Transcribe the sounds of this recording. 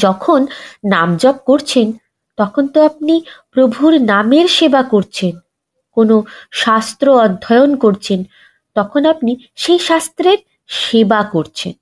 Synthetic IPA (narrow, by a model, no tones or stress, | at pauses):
d͡ʑɔkʰonːamd͡ʑɔb̚koɾt͡ɕʰen | t̪ɔkʰont̪oap̚nipɾobʱuɾnameɾʃebakoɾt͡ɕʰen | konoʃast̪ɾoɔd̪ʱːɔeonkoɾt͡ɕʰen | t̪ɔkʰonapni | ʃejʃast̪ɾeɾ | ʃebakoɾt͡ɕʰḛn